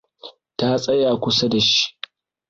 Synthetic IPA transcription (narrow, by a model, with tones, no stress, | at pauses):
ta˦sʼɐ˦jaː˨kʷʊ˦sa˦da˨ʃi̥˦